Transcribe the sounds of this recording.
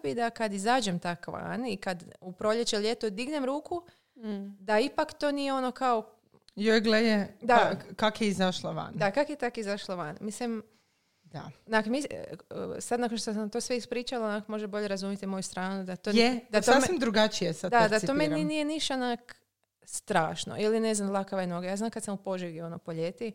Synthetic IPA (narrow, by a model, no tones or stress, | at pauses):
bid̪akad̪izaːd͡ʒemt̪akʋa̰nikad̪upɾoʎet͡ʃelje̞t̪od̪iɡnemɾuːku | d̪aipakt̪o̞ːnijeo̞no̞kao | jojɡlejed̪akakjeizaʃlaʋa̰nd̪akakjet̪akizaʃlaʋa̰nmislim | d̪a̰nakmis | sad̪nakonʃt̪os̬ant̪o̞ːsʋeispɾiːt͡ʃalanakmo̞ʒeboʎeɾazumjet̪imo̞just̪ɾaːnud̪at̪oed̪asoamimd̪ɾuɡat͡ʃijesad̪ad̪at̪ommeninije̞niʃt̪anak | st̪ɾaːʃno̰ʔiline̞znamlˠakaʋaino̞ɡajaːznaːmkad̪samupo̞ʒiʋio̞nopo̞ʎet̪i